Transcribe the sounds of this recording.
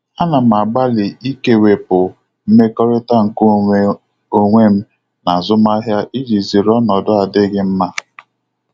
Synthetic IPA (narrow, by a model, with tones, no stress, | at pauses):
a˦na˨m˨a˨ɡ͡ba˦lɪ˨i˦ke˨we˨pʊ˨ | m̩˦me˦kɔ˦ɾe˦ta˦ŋ̩˨ko˦ | o˦ŋʷe˦m̩˦ | na˨zʊ˦ma˦ɦja˦ʔi˦d͡ʒi˨zi˨ɾɔ˦nɔ˨dʊ˦a˨dɪ˦ɡɪ˦m̩˦ma˦